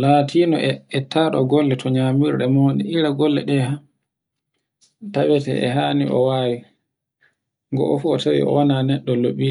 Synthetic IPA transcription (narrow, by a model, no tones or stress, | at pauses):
latʰinɔɛɛtaːɗɔɡɔlːɛtʰɔɲamiɾɗɛmoːnḭʔiɾaɡɔlːɛɗɛha | tawɛtɛ̰ʔɛ̰ɦaːniʔɔ̰waːwi | ŋɡɔ̰ʔɔfuɔtawḭɔ̰wɔnanɛɗːɔloɓiɛ